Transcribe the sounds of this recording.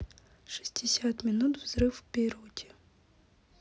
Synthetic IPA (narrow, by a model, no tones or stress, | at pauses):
ʃi̥sʲtʲʰisʲat̪mʲinut̪wzɾɪwpʲiɾɔtʲi̥